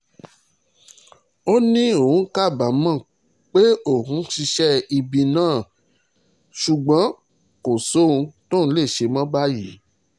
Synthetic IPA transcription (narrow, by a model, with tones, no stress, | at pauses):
o˦nĩ˦o˦˨hũ˨˦ka˦˨ba˨˦mã˦˨ | k͡pe˦o˦˨hũ˨˦ʃi˧ʃɛ˦i˧bi˧nãː˦˨ | ʃu˨ɡ͡bã˨˦ | ko˨so˦ũ˧to˦˨ñ̩˦le˦˨ʃe˧mã˦ba˦ji˨˦